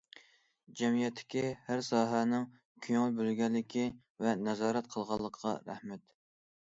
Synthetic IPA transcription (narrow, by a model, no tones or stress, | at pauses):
d͡ʒɛmijɛt̪ʰːɪ̥kʲihæɾsɑːɦɛnɪŋ | kʲʰøŋylbølɡʲɛnlːɪkʲʰi | vɛnɛzɑːɾɛt̪̚qʰəlˠʁɑlˠːəqʰːɑ̰ɾæ̰hmɛt̪